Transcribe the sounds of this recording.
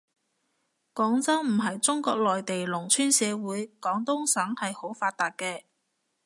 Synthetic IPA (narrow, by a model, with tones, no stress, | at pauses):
kɔː˨˥ŋt͡sɐ˥wm̩˨˩ɦɐ˨jt͡sʊ˥ŋkɔː˧k̚lɔː˨jt̪e˨jlʊ˨˩ŋt͡ʃʰyː˥nsɛː˨˧wuː˨˥jkɔː˨˥ŋt̪ʊ˥ŋsɐ˨˥ŋhɐ˨jho˨˥wfaː˧t̪̚aː˨t̚kɛː˧